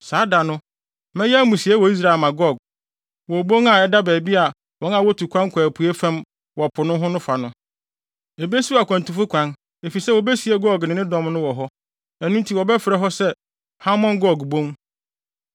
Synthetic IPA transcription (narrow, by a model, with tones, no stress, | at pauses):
saː˨˦da˨nʊ̃˦ | mɛ̃˦jɛ˦mũ˨si˨ɛ˦wɔ˨i˦s̬ɾa˦˨lmã˨ɡɔ˦˨ɡ̚ | wɔ˨bõ˦ŋa˨ɛ˦da˦bæː˨bi˦a˨ | wɔ̃˦ŋã˨wɔ˦tʰu˨kʰʷã˦ŋkʷʰæ˨pʰu˨e˦fɛ̃˦m | wɔ˨pʰʊ˨nʊ̃˦ɦʊ̃˦nʊ̃˦fa˨nʊ̃˦ | e˨be˦su˦a˨kʰʷã˨n˨tʰũ˨fʊ˦kʷʰã˦n | e˨fi˨sɛ˦wɔ˨be˦si˨˦ɛ˦ɡɔ˦˨ɡnɪ̃˨nɪ̃˦dɔ̃˦mnʊ̃˦wɔ˨ɦɔ˦ | ɛ˨nũ˦n˦tʰi˦˨wɔ˨bɛ˦fɪ˨ɾɛ˨ɦɔ˦sɛ˦ | ha˦mɔ̃˦nɡɔ˦˨ɡbõ˦ŋ